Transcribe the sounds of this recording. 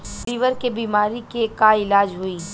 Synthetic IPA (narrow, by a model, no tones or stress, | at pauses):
piːʋəɾkebiːmaːɾikekaɪlaːd͡ʒɦʊiː